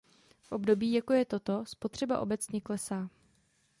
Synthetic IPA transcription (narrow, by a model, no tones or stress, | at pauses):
fʔo̞bdo̞biːjakojɛt̪o̞t̪o̞spo̞t̪r̥ɛbaʔo̞bɛt͡sɲɛklɛsaː